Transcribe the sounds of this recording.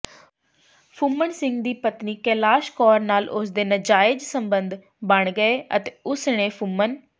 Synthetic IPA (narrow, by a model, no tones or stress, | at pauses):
pʰʊmːəɳsɪ̃ŋɡd̪iːpət̪niːkɛːlaːʃkɔːɾnaːlʔʊsd̪eːnəd͡ʒaːɪd͡ʒsəmbənd̪ | bəɳɡəeːət̪eːʊsneːpʰʊmən